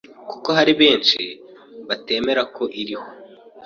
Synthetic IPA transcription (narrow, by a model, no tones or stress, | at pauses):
kuko̞ɦaɾiβe̞ːnʃi | βate̞ːme̞ɾakʰo̞ʔiɾiho̞